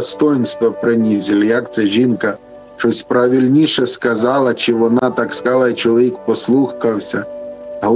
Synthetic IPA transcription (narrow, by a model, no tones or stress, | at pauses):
st̪ɔjnst̪ʋɔpɾɪnʲizʲilʲjɐkt̪sɛʒinkɐ | t͡ʃɔsʲpɾɐʋʲilʲnʲiʃɛskɐzɑlˠɐt͡ʃɪʋɔnɑt̪ɑkskɑlˠɑit͡ʃɔlˠɔʋʲikpɔslˠukɐwsʲɐɦɔ